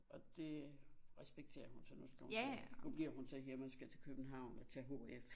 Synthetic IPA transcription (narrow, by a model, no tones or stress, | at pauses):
ʔɒ̽d̥e̝ʁɛsb̥eɡ̥̚t͡sʰe̝̰ːɐhunsɒnusɡ̥æhunub̥liɐ̰hunt͡sʰeɦiɐmænsɡ̥æt͡sʰe̝lkʰøb̥n̩ɦɑ̈ʊ̰nɒt͡sʰɛɦo̝̰ef